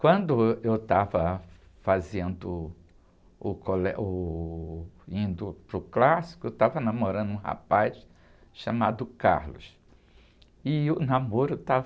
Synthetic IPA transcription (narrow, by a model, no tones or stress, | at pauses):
kwɐ̃nd̪ʊewt̪avɐ | fazẽnd̪ʊ | ʊkolɛʔʊ | ĩnd̪ʊpɾʊklasi̥kʊewt̪avɐnɐ̃moɾɐ̃nd̪ʊũha̰pajʃ | ʃamad̪ʊka̰ɾlʊ̰s | ɪʊnamoɾʊt̪av